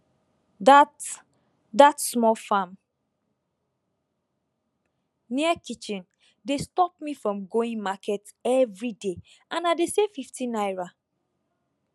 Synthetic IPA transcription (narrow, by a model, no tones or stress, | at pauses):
d | datsmɔlfãm | niakit͡ʃĩn | destɔp̚mifɹɔ̃mɡoĩŋmakʰɛt | ɛvɹide | ãnadesefiftʰĩnajɹa